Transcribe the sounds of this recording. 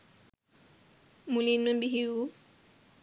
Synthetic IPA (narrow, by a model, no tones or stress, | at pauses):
mulinembiɦiu